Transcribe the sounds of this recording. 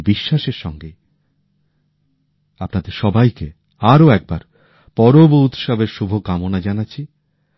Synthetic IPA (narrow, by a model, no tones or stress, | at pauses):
biʃːaʃeɾʃɔŋɡe | apnad̪eɾʃɔbajke | aɾoɛk̚baɾ | pɔɾobout̪ʃabeɾʃubʱokamonad͡ʑanaːt͡ɕʰi